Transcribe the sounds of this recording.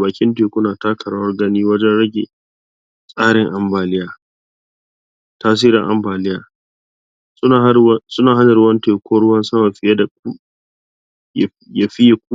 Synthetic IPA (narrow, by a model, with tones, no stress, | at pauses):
baː˨kʲɪ˦nteː˨kʷʊ˦naː˨taː˦kʰɐ˨ɽaː˦wɐ˦rɡɐ˦niː˦wɐ˦d͡ʒɛ˦nɽɐ˦ɡʲḛ˨ | sʼaː˦ɽɪ˨ŋʔa˨mbaː˨lɪ˦jaː˨ | taː˦s̬iː˦ɾɪ̰˨ŋʔa̰˦mbaː˨lɪ˦jaː˨ | ʊ˦˨˦sʊ˦naː˨ɦa˦nɐ˨ɾʊ˦wɐ˦nteː˨kʷɔː˦ɽʊ˦wɐ˦nsɐ˦ma˨ɸɪ˨ja˦da˨ku˦˨ | ja˨ɸi˦ja˦kʷuː˦